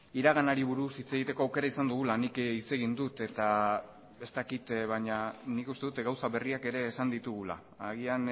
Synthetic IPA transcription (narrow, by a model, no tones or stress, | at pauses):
iɾaɣanaɾiβuɾusit͡se̞ɣit̪e̞ko̞awke̞ɾaisand̪uɣ̞ulanikit͡se̞ɣ̞ind̪ut̪e̞t̪a | e̞st̪akit̪βaɲanikust̪e̞ðut̪ɡawsaβe̞riake̞ɾe̞ːsand̪it̪uɣ̞ula̰ːɣ̞ian